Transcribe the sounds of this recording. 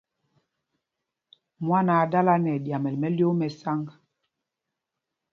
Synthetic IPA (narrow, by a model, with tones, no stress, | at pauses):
mwa˦na˨da˦la˦nɛ˨dja˨mɛ˨lmɛ˦ljo˦mɛ˨sa˦ŋ˨